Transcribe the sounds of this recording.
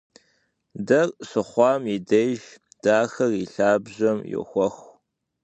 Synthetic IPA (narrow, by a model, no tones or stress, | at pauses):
dɐrsɨχʷɑːmidɐʒ | d̥aːxɐriɬaːbʑɐmjɛ̰xʷɔxʷ